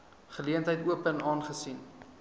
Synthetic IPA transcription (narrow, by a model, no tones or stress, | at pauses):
χəliəntɦəjtuəpənɑːnχəsin